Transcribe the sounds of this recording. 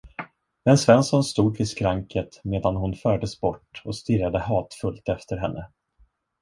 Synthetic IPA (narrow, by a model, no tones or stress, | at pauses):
ɛnsvɛnsɔnst̪uːd̪vɪskɾaŋkət̪meːd̪anɦʊnfœːɖəsbɔʈːɔst̪ɪɾad̪əhɑːt̪fɵlt̪ɛft̪əɾɦɛnːʔə